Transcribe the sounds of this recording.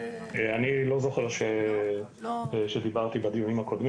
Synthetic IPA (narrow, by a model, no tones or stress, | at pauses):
eanilo̞zo̞χeʁʃe | ʃed̪ibaʁt̪ibad̪ijunimako̞d̪mi